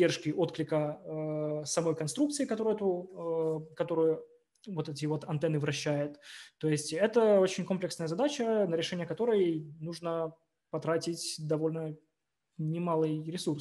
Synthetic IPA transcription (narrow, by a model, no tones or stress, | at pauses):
erʂkʲɪʔo̞t̪klʲɪkə | sɐmo̞jkɐnst̪ɾukt̪sɨɪkɐt̪oɾʊjɛt̪u | kɐt̪o̞ɾʊjʊ | vo̞t̪ɛt̬ʲɪvo̞t̪ɐnt̪ɛnɨvɾɐɕːæjʊt̪ːo̞jɪsʲtʲɛt̪əo̞t͡ɕɪnʲko̞mplʲɪksnəjəzɐd̪at͡ɕənəɾʲɪʂɛnʲɪjəkɐt̪o̞ɾəjnuʐnə | pɐt̪ɾatʲɪtʲd̪ɐvo̞lʲnə | nʲɪmalˠɨjɾʲɪsurs